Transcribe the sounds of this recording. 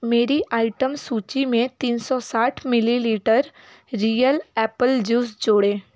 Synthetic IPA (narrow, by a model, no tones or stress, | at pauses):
meːɾiʔaːɪʈəmsuːt͡ʃimẽt̪iːnsɔsaːʈʰmɪliliːʈəɾ | ɾiːjəlɛːpəld͡ʒuːsd͡ʒoːɽeː